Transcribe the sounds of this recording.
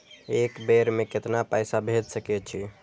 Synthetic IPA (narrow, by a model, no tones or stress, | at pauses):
ekbeɾmeket̪napajsabʱed͡ʒsəkɛt͡ʃʰi